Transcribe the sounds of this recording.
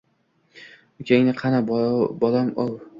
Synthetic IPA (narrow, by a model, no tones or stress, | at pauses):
ʊkʲʰeŋnɪqʰɑnabɒlamow